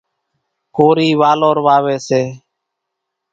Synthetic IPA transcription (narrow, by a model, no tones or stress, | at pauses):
koːɾiːʋaːloːɾʋaːʋeːseː